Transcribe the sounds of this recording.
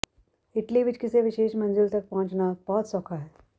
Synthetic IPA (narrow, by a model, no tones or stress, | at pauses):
ɪʈliʋɪt͡ʃkiseʋɪʃeːʃmɐ̃nzɪlt̪ɐk̚pãːt͡ʃnab̥ɔɦɔt̪sɔkʰaɦɛː